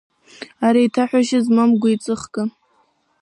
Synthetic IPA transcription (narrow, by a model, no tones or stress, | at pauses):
aɾajtʰaħʷᶣaʃɪzmamɡʷait͡sʼɨχɡʼɨ